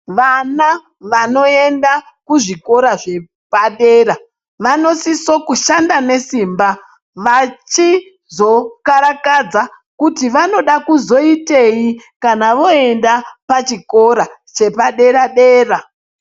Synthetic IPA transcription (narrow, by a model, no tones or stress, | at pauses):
ʋana | ʋano̞e̞nda | kuʐiko̞ɾaʐe̞ | paɗe̞ːɾa | ʋano̞siso̞kuʃandane̞siːmba | ʋat͡ʃi | zo̞kaɾakad͡za | kutiʋano̞ɗakuzo̞ite̞ikanaʋo̞e̞ndapat͡ʃiko̞ɾa | t͡ʃe̞paɗe̞ɾaɗe̞ːra